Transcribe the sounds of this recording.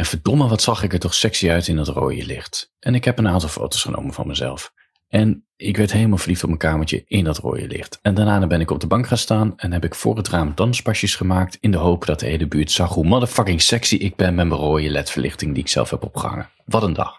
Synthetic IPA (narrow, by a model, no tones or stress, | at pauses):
ɛnv̥əɹdɔməʋɑtsɑχɪkəɹtɔχsɛksiœɥtɪndɑtro̰ːjə̰lɪ̰χtʔɛnɪkɦɛpənaːntɑlˠfo̰wtowsχəno̰wmənvɑ̰nməzɛ̰lˠf | ɛn | ɪkʋɛɹtɦejləmalˠvəɹliftɔpmənkaːməɹt͡ʃə̰ɪndɑtro̰ːjə̰lɪ̰χtɛndanaːnəbɛnɪkɔb̚dəbɑŋkχaːnstaːnɛnɦɛpɪkfʊ̰ːɹɦətraːmdɑnsbɑʃəsχəmaːk̚tɪndəɦowpdɑt̚dəɦejləbyːɹtsɑχɦumɑdəfɑkɪŋsɛksiʔɪɡ̚bɛnmɛməroːjəlɛtfəɹlʔɪ̰χtɪŋdiɪksɛ̰lˠfɦɛ̰pɔ̰pχə̰ɦɑ̰ŋə̰ | ʋɑtəndɑ̰χ